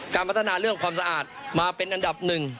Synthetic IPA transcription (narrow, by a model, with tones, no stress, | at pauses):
kaː˧npa˦˥t̪ʰːa˧naː˧ɾɯ˥˩əŋkʰwaː˧msa˧ʔaː˨˩t̪̚maː˧pe˧nʔa˧nda˨˩p̚nɯ˨˩ŋ